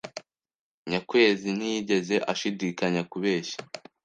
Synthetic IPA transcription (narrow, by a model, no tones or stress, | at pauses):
ɲakwe̞ːzinijiɟe̞ze̞ʔaʃidiːkaɲakuβeːʃḁ